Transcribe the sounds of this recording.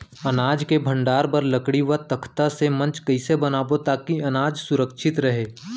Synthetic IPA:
ɐnaːd͡ʒkebʱə̃ɳɖaːɾpɐɾlɐkɽiʋət̪ɐkʰt̪asemɐ̃nt͡ʃkɐɪsebɐnaːbot̪aːkiɐnaːd͡ʒsʊɾəkʃʰɪt̪ɾɐɦeː

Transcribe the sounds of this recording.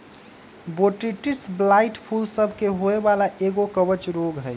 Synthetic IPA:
boʈɾiʈisblaiʈpʰulsəbʱkeɦoebalaʔeɡokəbət͡ʃɾoɡɦɛj

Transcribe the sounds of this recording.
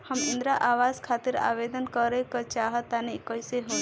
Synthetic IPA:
həmɪnd̪ɾaʔaːwaːzkʰaːt̪iɾa̰ːbed̪ənkɔɾekɔt͡ʃaːɦət̪anekɔjseɦõ

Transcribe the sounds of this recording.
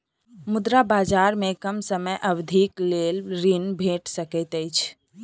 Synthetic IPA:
mud̪ɾabad͡ʒaɾmẽkəmsəməjʔəbd̪ʱiklelɾinbʱeʈsəkəɪt̪əjt͡ʃʰ

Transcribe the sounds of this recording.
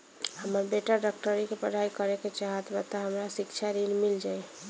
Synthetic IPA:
həməɾbeʈaɖak̚ʈəɾikepəɽ̤ʱaikəɾeket͡ʃaɦət̪bət̪aɦəmɾasikt͡ʃʰaɾilmild͡ʒaj

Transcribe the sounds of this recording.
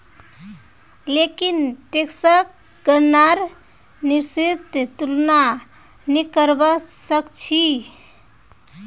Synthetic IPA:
lekinʈeksək̚ | ɡəɾnaɾ | niɾsit̪t̪ulna | nikəɾbəsəkt͡ʃʰi

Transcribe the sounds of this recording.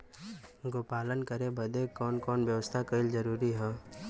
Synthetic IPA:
ɡoːpaːlənkəɾebʱəd̪ekɔːnkɔːnʋjəʋəst̪ʰakəɪld͡ʒəɾuːɾiɦɛː

